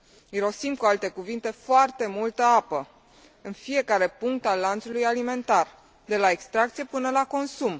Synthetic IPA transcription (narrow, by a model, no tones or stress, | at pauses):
iɾo̞simkualt̪e̞kuvint̪e̞foart̪e̞mult̪əapə | ɨnfije̞kaɾe̞puŋk̚t̪alːant̪sulujalime̞nt̪ar | d̪e̞laekst̪ɾak̚t̪sijepɨnəlako̞nsum